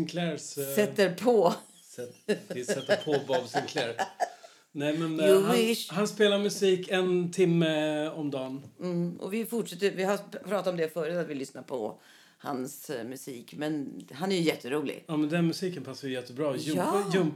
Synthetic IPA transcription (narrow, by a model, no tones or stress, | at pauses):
nkʰlæɾsɛt̪ːəɾpʰɔ | ɛɪsɛt̪ːpʰɔvavsɪnkʰlɛɾ | nɛjmɛnɪɦanspeːlaɾmɵsiːkɛnt̪ʰɪmːəɔmd̪ɑːnm̩ɔ̰vɪfʊʈʂɛt̪ːəɾvɪhapʰɾɑːt̪at̪ɔmd̪ɛfœːɾət̪at̪vɪlʏsnaɾpʰɔ̰ | ha̰nsmɵsiːkmɛnɦanæɾjɵjɛt̪ʰːəɾuːlɪ̰ɡɑːmɛnd̪ɛnmɵsiːkənpʰasːajʉjɛt̪ʰːəbɾɑːjjɵm